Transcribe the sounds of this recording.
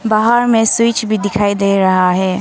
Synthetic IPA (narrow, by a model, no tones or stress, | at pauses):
baɦaɾmẽsʊt͡ʃʰbʱid̪ɪkʰaːid̪eːɾɐɦaɦɛː